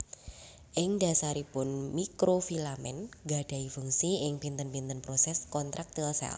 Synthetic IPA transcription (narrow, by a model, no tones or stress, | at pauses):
ʔɪŋdasaɾipʊnmikɾofilamɛ̰nɡad̥a̤ifuŋsiɪŋpint̪ənpint̪ənpɾosɛskɔnt̪ɾʔak̚t̪əlsɛ̰l